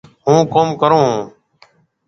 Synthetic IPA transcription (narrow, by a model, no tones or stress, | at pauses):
ɦũːkoːmkəɾõː